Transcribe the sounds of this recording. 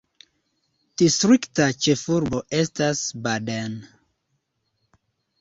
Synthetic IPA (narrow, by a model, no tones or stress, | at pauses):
d̥istɾiktat͡ʃefuɾboʔestasbaden